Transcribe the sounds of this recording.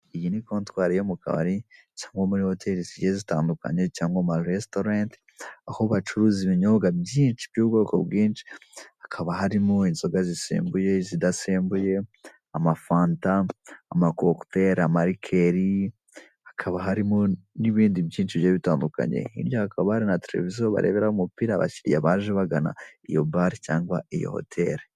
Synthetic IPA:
ijinikoːntwaːɾijomukʰa̰βa̰ɾi | caːŋɡomuɾiho̞tʰeɾiziezitaːnduka̰ɲet͡ʃaːŋɡwamaɾestoɾant | aho̞βat͡ʃuɾuːziβiɲo̞ɡabjiːnʃibjuːbɡo̞ːko̰bɡiːnt͡ʃi̥hakʰaβahaɾimoinzoɡazisḭːmbuje̞zidaseːmbuje̞ | amafaːntaːmakokte̞ɾamaɾikʰe̞ɾi | ḁkʰaβaɦaɾimo̞niβiːndibjiːnt͡ʃiβjoːβitaːnduka̰ɲe̞̰ḭɾjohakaβahaɾinateɾe̞vizioβa̰ɾe̞βeɾahumupiːɾaβa̰ciɾijaβaːʒeβaɡana̰ijo̞̰baɾicaːŋɡwaijo̞̰ho̰tʰe̞ɾe

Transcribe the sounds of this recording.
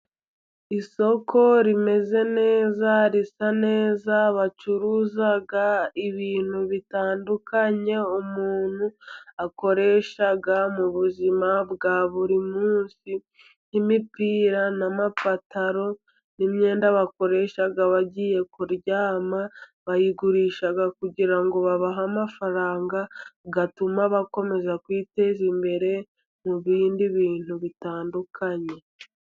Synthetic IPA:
iso̞kʰo̞ɾime̞ze̞ne̞ːzaɾisane̞ːzaβat͡ʃuɾuːzaɡaiβiːn̥huβitaːndukaɲe̞umuːn̥huako̞ɾe̞ʃaɡamuβuzimabɡaːβuɾimuːnsi | nimipiːɾanamafataɾo̞ | nimɲe̞ːndaβako̞ɾe̞ʃaɡaβaɟiːje̞kuɾɟaːmaβajiɡuɾiːʃaɡakuɟiɾaŋɡo̞βaβaɦamafaɾaːŋɡaɡatumaβako̞me̞zakwiːte̞zimbe̞ɾe̞ | muβiːndiβiːn̥huβitaːndukʰaɲe̞

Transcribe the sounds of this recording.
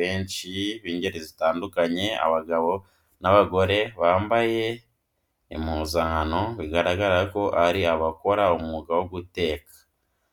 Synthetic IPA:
eːɲt͡ʃiβiːɲɟeɾezitaːndukaɲe̞a̰βaɡaβo̞ | naβaɡo̞ɾe̞βaːmbaje̞ | imuzaŋano̞βiɡaɾaɡaɾaako̞ʔaɾiaβako̞ɾaumŋuɡawoɡute̞ːkḁ

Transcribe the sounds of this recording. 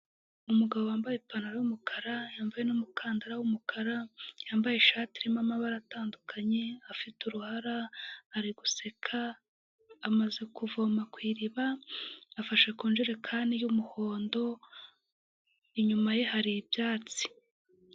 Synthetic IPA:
umuɡaβowaːmbajepanaɾajumukʰaɾajaːɱvajenumukʰaːndaɾawumukʰaɾajaːmbajeʃaːtiɾimamaβaɾataːndukʰaɲe̞afituɾuhaɾaːɾiɡuse̞kʰaː | maze̞kuvoːmakwiːɾiβaː | faʃe̞kuːnʒiɾe̞kʰaːndijumuhoːndo̞ | iɲumaje̞haɾibjaːt͡si̥

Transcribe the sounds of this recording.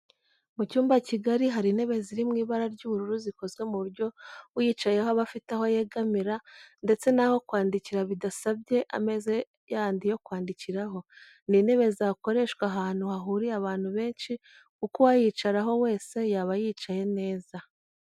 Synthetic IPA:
mucuːmbaciɡaɾiɦaɾine̞βe̞ziɾimŋiːβaɾaɾɟuːβuɾuɾuziko̞zɡe̞muβuɾɟo̞jiːt͡ʃaje̞hoβafitaho̞je̞ɡamiɾande̞t͡se̞naho̞kwaːndiciɾaβidasabɟe̞ʔa̰me̞ze̞ | jandijo̞kwaːndiciɾaɦo̞ | nine̞βe̞ziako̞ɾe̞ʃkwaɦaːn̥huhaɦuɾiaβaːn̥huβe̞ːnʃi | kukuwajiːt͡ʃaɾaɦo̞we̞ːse̞jaːβajiːt͡ʃaje̞ne̞ːza

